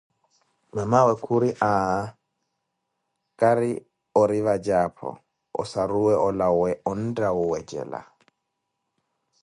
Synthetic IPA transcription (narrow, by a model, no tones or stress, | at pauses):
mamawɛkʰuɾiʔa | kʼaɾḭ | ɔɾivad͡ʒapʰɔ̰ | ɔ̰saɾuwɛʔɔlawɛɔndaɔwɛd͡ʒɛ̰la̰